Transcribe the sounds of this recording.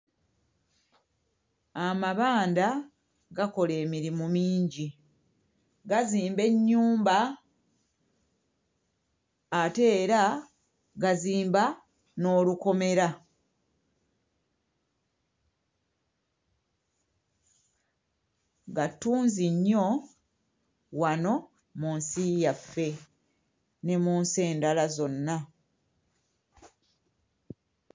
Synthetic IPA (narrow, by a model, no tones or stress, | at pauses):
amaβaːnda | ɡako̞le̞ːmiɾimumiːɲɟi | ɡaziːmbe̞ɲːuːmba | ate̞ːɾa | ɡaziːmba | no̞ːluko̞me̞ɾa | ɡatːuːnziɲːo̞ | wano̞ | munsijafːe̞ | ne̞muːnse̞ːndalazo̞nːa